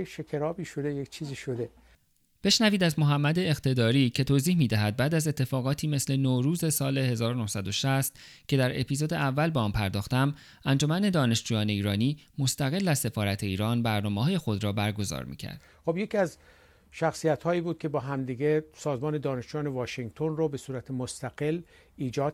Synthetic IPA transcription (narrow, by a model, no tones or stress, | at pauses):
ʃekʲʰeɾɒːbiːʃod̪ejekt͡ʃʰiːziːʃod̪e | b̥e̞ʃnæviːd̪æzmo̞ɦæmːæd̪e̞ːxt̪ʰe̞d̪ɒːɾiːcʰe̞t̪ʰoːziːhmiːd̪æɦæd̪̚bæːd̪æze̞t̪ʰːe̞fɒːɣɒːt̪ʰiːme̞sle̞noɾuːze̞sɒːle̞he̞zɒːɾono̞hsæd̪o̞ʃæst̪ | cʰe̞d̪æɾe̞̰pʰiːzod̪e̞ʔævːælbeɒːmpʰæɾd̪ɒːxt̪æm | ʔænd͡ʒo̞mæne̞d̪ɒːne̞ʃd͡ʒuːjɒːne̞iːɾɒːniːmost̪æɣe̞lːæzse̞fɒːɾæt̪ʰe̞iːɾɒːnbæɾnɒːmehɒːje̞xo̞d̪ɾɒːbæɾɡo̞zɒ̰ːɾmḭːcʰæ̰ɾd̪̥xobjecʰiæz | ʃæxsijæt̪hɒːiːbuːd̪̚kʰʲe̞bɒːɦæmd̪iːɡesɒːzmɒːne̞d̪ɒːneʃd͡ʒuːjɒːnevɒːʃeŋɡt̪ʰonrobe̞suːɾæt̪ʰemost̪æɡel | iːd͡ʒɒːd̪̚